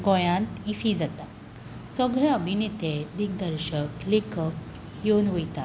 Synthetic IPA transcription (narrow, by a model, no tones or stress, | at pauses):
ɡɔjãnt̪ifid͡zat̪a | səɡɭaəbʱinet̪ed̪ik̚d̪əɾɕəklekʰək̚ | jonʋəjt̪a